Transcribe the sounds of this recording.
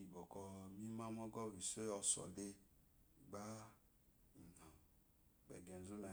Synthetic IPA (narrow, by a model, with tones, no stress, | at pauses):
i˨bɔ˨kɔ˨mĩ˦mã˦mɔ˦ɡɔ˦˨vi˨se˦ɔ˨sɔ̰˨de˦ | ɡ͡ba˦˨ | na˨ | ɡ͡bɛ̰˨ɡɛ˨n˨zu˦na˨